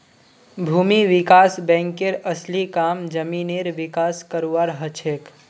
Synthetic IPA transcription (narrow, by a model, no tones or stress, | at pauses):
bʱuːmiʋɪkaːsbɛ̃ːŋkeɾəslikaːmd͡ʒəmineɾʋɪkaskəɾuʋaɾɦət͡ʃʰek